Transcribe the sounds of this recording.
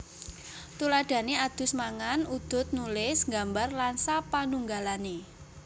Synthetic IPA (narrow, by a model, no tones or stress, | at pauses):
t̪ulad̥a̤nead̪̥ʊ̤smaŋanud̪̥ʊ̤t̪̚nulɪsŋɡambarlansapanuŋɡalane